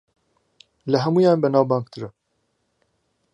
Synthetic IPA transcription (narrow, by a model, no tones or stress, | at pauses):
lɨɦɛmuːjɑːnbɛnaːwbɑːŋk̚t̪ʰɨɾɨ